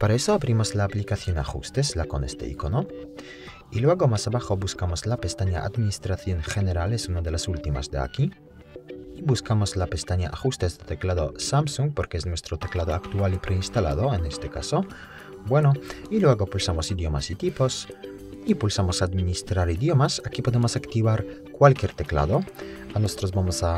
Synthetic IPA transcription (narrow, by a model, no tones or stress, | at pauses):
paɾaesoaβɾimozlaːplikaθjona̰xṵst̪eslako̰nest̪ḛḭkono | ilwe̞ɣomasaβaxobuskamozlapest̪aɲa̰ʔa̰d̪minist̪ɾaθjoŋxeneɾalesunaðelasult̪ima̰zd̪ea̰kiː | βuskamozlapest̪aɲaʔaxust̪ezd̪et̪eklaðo̰samsuŋ̚poɾkeesnwest̪ɾot̪eklaðoakt̪ualipɾeinst̪ala̰ð̞oenest̪eka̰so | bwenoilweɣopulsamosiðjo̞ma̰sit̪ipos | ipulsamosad̪minist̪ɾaɾiðjo̞masakipo̞ðemosakt̪iβaɾ | kwalkje̞ɾt̪ekla̰ðoanosot̪ɾoszbamosa